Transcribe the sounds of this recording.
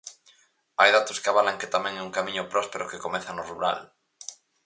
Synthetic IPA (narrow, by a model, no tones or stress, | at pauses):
ajðat̪oskaβalaŋket̪amẽŋɛuŋkamĩɲopɾɔspeɾokekomeθanoruɾa̰l